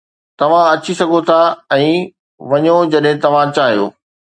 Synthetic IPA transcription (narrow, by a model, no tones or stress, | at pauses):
t̪ɐʋ̤ãɐt͡ɕisɐɡʱot̪ʰaɛ̃ː | ʋɐɲod͡ʑɐɗɦɪ̃t̪ɐʋ̤ãt͡ɕaːɦijo̰ː